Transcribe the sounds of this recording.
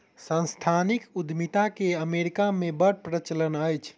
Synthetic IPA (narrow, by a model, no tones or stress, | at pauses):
sə̃nst̪ʰanikud̪mit̪akeəmeɾikamebəɽpɾət͡ʃlənəjt͡ʃʰ